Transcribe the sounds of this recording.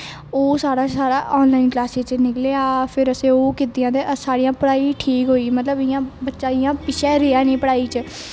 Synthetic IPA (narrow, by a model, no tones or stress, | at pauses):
oːsaːɽaːsaːɾaːʔɔːnlaːɪnklaːseːt͡ʃnɪkleːaːpʰɪɾəsẽːoːkɪt̪ijãːd̪eːʔəsaːɽijãːpəɽaːiːʈʰiːkɦoːiːmət̪ləbɪjãːbətːʃaːɪjãːpɪʃʰɛːɾeːaːnĩːpəɽaːiːt͡ʃə